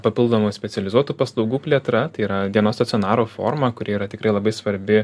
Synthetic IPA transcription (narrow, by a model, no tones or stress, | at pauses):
pɐpʲɪlˠd̪oːmosʲpʲɛsʲɛlʲɪzuɔt̪uːpɐslˠɒʊɡuːpʲlʲiɛt̪ɾɐt̪ɐɪiɾɐd̪ʲiɛnoːst̪ɐtt͡s̪ʲɪoɔnɑːɾoːfo̰ːrmɐkʊɾʲiɛiːɾɐt̪ʲɪkɾɐɪlˠɐbɐɪsʋɐɾʲbʲɪ